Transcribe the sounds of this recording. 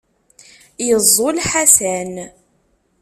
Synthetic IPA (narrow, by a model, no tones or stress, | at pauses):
jəzˤːolħasæn